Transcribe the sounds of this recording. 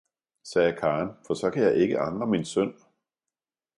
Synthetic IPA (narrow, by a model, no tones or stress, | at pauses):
sɛːkʰɑ̈ːnfɒ̽sɒ̽kʰæjɑ̈ɪʔe̝ɡ̥əʔɑ̈ŋʁəminsœn̰